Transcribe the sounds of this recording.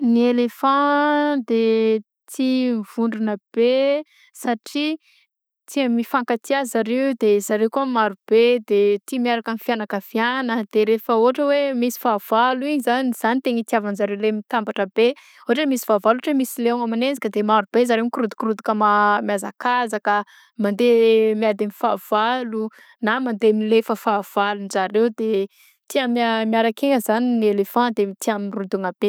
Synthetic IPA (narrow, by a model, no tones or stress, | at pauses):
nielefɑ̃d̪e | t̪ʰiv̥uɳɖ͡ʐunəb̥e | saʈ͡ʂi | t̪iəmifaŋkat̪iazaɾewd̪ez̥aɾekuamaɾub̥ed̪et̪imiaɾakanifianakəvianəd̪̥eɾefəoʈ͡ʂəwemisi̥vav̥aluiɲizaniz̥anit̪eɲit̪iavanzaɾewlemit̪ambaʈ͡ʂəbe | oaʈ͡ʂəmisi̥v̥avaloʈ͡ʂəmisileaŋamanend͡zi̥kəd̪emaɾub̥ezaɾewŋkɾud̪u̥kɾud̪ukəmamjazakazakə | mand̪emiad̪inifav̥alu | namand̪emilefəfav̥alunzaɾewd̪e | t̪iamamiaɾakeŋəzaninielefãd̪emit̪iaminrud̪uŋab̥e